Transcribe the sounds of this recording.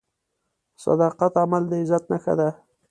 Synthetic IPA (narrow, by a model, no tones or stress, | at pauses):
sɑ̰d̪ɑqat̪amald̪əɪzat̪̚naxa̰d̪a